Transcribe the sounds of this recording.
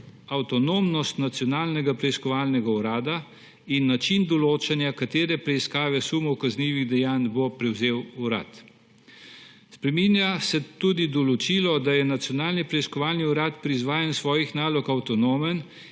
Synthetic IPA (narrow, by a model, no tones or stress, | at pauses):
awt̪ɔnoːmnɔst̪nat̪sjɔnaːlnɛɡapɾɛiskɔʋaːlnɛɡauɾaːd̪a | inːat͡ʃind̪ɔloːt͡ʃanjakat̪eːɾɛpɾɛiskaːʋɛsuːmɔwkazniːʋiɣd̪ɛjaːnbopɾɛwzeːwuɾa̰t̪ | spɾɛminjasɛt̪uːd̪id̪ɔlɔt͡ʃilɔd̪ajɛnat̪sjɔnaːlnipɾɛiskɔʋaːlniuɾat̪pɾizʋaːjɛnsʋɔːjixnaːlɔkawt̪ɔnoːmɛn